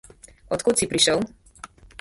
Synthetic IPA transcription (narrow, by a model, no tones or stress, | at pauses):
ɔt̪kut̪sipɾiʃəw